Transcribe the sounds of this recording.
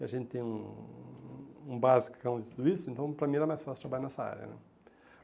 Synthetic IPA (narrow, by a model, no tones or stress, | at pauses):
kɪɐʒẽnt̪ɪt̪ẽj̃ũ | ũbazikkɐ̃w̃d̪ɪt̪ud̪ʊisʊẽnt̪ɐ̃w̃pɾɐmĩɛɾɐmajsfaslt̪ɾɐbaʎanɛsɐa̰ɾjɐ̰nɛ̰̃